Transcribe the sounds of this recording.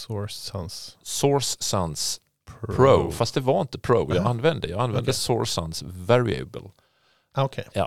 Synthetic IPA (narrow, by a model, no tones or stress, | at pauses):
ɔsanssɔɹsːansʰ | pʰɾoʊfast̪̚d̪ɛvaɾɪnt̪əpʰɾoʊjɑɡanːvɛnd̪əjɑːɡanvɛnd̪əsɔɹsa̰nsvæɾɪɛ̰bə̰l | okʰejɑ̰ː